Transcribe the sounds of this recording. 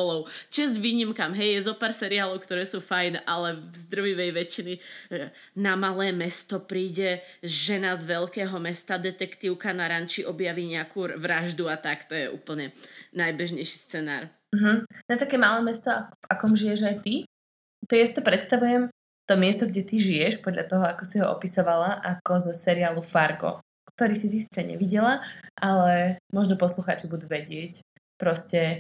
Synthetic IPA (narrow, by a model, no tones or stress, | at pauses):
lɔʊt͡ʃɛzɟʋiːɲimkamɦɛjjɛzɔpaːɾsɛɾiaːlɔʊkt̪ɔɾɛːsuːfajnʔalɛvzd̪ɾ̩ʋiʋɛjʋɛt͡ʃini | namalɛːmɛst̪ɔpɾiːɟɛ | ʒɛnazʋɛʎkɛːɦɔmɛst̪ad̪ɛt̪ɛkt̪iːʊkanaɾant͡ʃiʔɔbjaʋiːɲɛakuːʋɾaʒd̪uat̪akt̪ɔjɛʔṵːpl̩ɲɛnajbɛʒɲɛjʃi̥st͡sɛna̰ːɾ | m̩ɦm̩nat̪akɛmaːlɛːmɛst̪ɔav̥akɔmʒijɛʒajt̪i | t̪ɔjasi̥t̪ɔpɾɛt̪st̪aʋujɛm | t̪ɔmɪɛst̪ɔɡɟɛt̪iʒijɛʃpɔd̪lʎʔa̰t̪ɔɦɔakɔsiɦɔʔɔ̰pisɔʋalaʔakɔzɔsɛɾiaːlufaɾɡɔ̰ | kt̪ɔɾiːsit̪isi̥t͡sɛɲɛ̰ʋiɟɛlaʔalɛmɔʒnɔpɔsluxa̰ːt͡ʃibud̪uʋɛɟɪɛc | pɾɔscɛ